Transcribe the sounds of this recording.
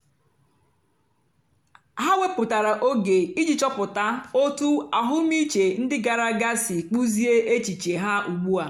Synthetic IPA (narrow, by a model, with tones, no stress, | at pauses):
ɦa˦we˦pʊ˨ta˨ɾa˨ʔo˦ɡe˨i˦d͡ʒi˨t͡ʃɔ˦pʊ˨ta˦o˦tu˦a˨ɦʊ˦mi˦t͡ʃe˨n̩˦dɪ˦ɡa˨ɾa˦ɡa˦si˨k͡pu˦zi˦e˦ʔe˦t͡ʃi˨t͡ʃe˨ɦa˦ʔu˨ɡ͡bu˦a˨